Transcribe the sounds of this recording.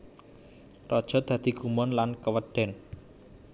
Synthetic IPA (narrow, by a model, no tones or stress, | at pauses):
rɔd̥ʒ̥ɔ̤t̪̚a̤d̪̥iɡ̥umɔnlankəwəɖ̥ɛn